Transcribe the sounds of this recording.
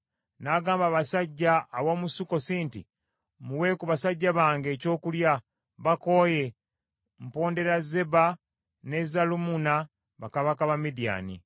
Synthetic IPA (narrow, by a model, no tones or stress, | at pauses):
naːɡaːmbaβasaɟːaːwomusuko̞siːntḭ | muwe̞ːkuβasaɟːaβaːŋɡe̞ːco̞ːkulja | βako̞je̞ | m̩po̞ːnde̞ɾaze̞ba | ne̞zalumuna | βakaβakaβamidija̰ːnḭ